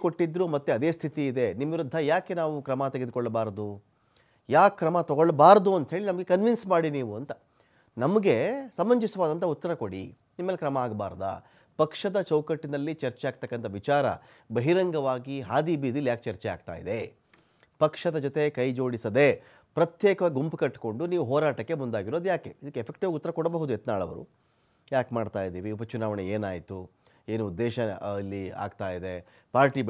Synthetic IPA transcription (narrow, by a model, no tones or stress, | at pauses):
koʈːid̪ɾumɐt̪ːeɐd̪eːst̪ʰit̪iːd̪e̞nimʋiɾud̪ʱːɐjaːke̞naːʋukɾɐmɐt̪eɡe̞d̪ukɔɭːbaːɾd̪u | jaːkːɾɐmɐt̪ɔɡoɭbaːɾd̪uɐnt̪ɐɦe̞ːɭinɐmɐɡe̞kɐnʋinsmaːɽiniːʋuɐnt̪ɐ | nɐmɐɡe̞sɐmːɐɲd͡ʒisʋaːd̪ɐnt̪ɐut̪ːɐɾɐkoɽḭ | nimːeːlːkɾɐmɐaːɡbaːɾd̪ɐ̰ | pɐkʂɐd̪ɐt͡ʃɐwkɐʈːinɐlːit͡ʃɐɾt͡ʃɛjaːɡ̚t̪ɐkːɐnt̪ʰɐʋit͡ʃaːɾɐ̰ | bɐɦiɾɐŋɡɐʋaːɡiɦaːd̪iːbiːd̪ilːijaːk̚t͡ʃɐɾt͡ʃɛa̰ːɡt̪a̰ːjḭd̪e̞ | pɐkʂɐd̪ɐd͡ʒɔt̪e̞kɐjd͡ʒo̞ːɽisɐd̪e̞ | pɾɐt̪jeːkɐʋaːɡiɡumpukɐʈːko̞ɳɖuniːʋuɦɔːɾaːʈɐkːe̞mund̪aːɡiɾo̞ːd̪ujaːke̞id̪ɐkːepʰek̚ʈiʋaːɡut̪ːɐɾɐkɔɽɐbɐɦud̪uet̪naːɭɐ̰ʋɐ̰ɾṵ | jaːkmaːɖt̪aːjid̪iːʋiupɐt͡ʃunaːʋɐɳneeːnaːjit̪u | eːnuːd̪ːɛːʃɐilːia̰ːɡt̪aːjid̪e̞ | paːɾʈi